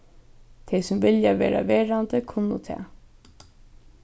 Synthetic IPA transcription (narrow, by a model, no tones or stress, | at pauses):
t̪ʰɛjsʊmvɪljaʋḛːɾa̰ʋeːɹand̪əkʰʊnːʊ̰t̪ʰɛ̰ː